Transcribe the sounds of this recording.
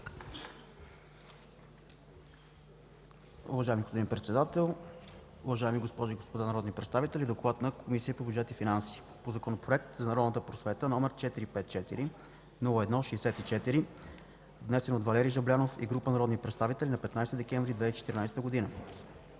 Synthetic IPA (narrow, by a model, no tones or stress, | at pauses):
ʊ̰vɐʒaɛmiɡospod̪inpɾɛt̪sɛd̪at̪ɛlˠ | ʊvɐʒaɛmiɡospɔʒiɡospod̪anɐɾɔd̪nipɾɛt̪st̪avit̪ɛlʲid̪oklˠat̪nɐkʰomisiəpobʲjud͡ʒɛt̪ifinansi̥ː | pozɐkonopɾoɛk̚t̪zɐnɐɾɔd̪nət̪əpɾosvɛt̪ənɔmɛɾt͡ʃɛt̪iɾipɛt̪̚t͡ʃɛt̪iɾi | nulˠoɛd̪nɔʃɛsɛt̪it͡ʃɛt̪iɾi | vnɛsɛnod̪vɐlɛɾijʒɐblʲanofḭɡɾupənɐɾɔd̪nipɾɛt̪st̪avit̪ɛlʲinɐpɛt̪najst̪id̪ɛkʲɛɱvɾid̪vɛt͡ʃɛt̪iɾnajst̪əɡod̪inə